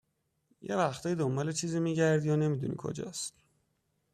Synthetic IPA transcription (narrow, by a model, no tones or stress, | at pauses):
je̞væxt̪ʰɒːjid̪ombɒːle̞t͡ʃʰiːziːmiːɟæɾd̪jɒːne̞miːd̪ṵnḭkʰo̰d͡ʒɒ̰ːst̪